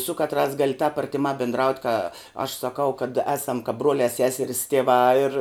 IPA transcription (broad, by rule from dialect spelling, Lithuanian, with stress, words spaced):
sʊ ˈkɑːtˌrɑːs ˈɡɑːlʲɪ tɑːp ɐrʲtʲɪˈmɑː bʲɪndˈrɐʊtʲ kɐ ɐʃ sɐˈkɐʊ kɐt ˈæːsɐm kɐp ˈbruɔlʲɛ ˈsʲæːsʲɛrʲɪs tʲiɛˈʋɑː ɪr